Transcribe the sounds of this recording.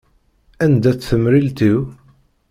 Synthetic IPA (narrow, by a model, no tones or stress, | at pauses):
ænd̪æt͡sːθəmɾilt̪iw